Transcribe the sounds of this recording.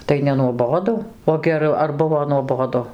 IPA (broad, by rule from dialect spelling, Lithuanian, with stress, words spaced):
tɐɪ nʲɛnuɔˈboːdʊ oː ɡʲɛˈrʊ ɐr ˈbʊʋoː nuɔˈboːdʊ